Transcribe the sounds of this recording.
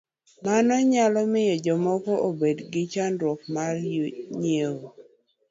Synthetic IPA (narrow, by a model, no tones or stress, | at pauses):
manɔɲalɔmɪjɔd͡ʒɔmɔkɔʔobedɡɪt͡ʃandwɔk̚marjɲewo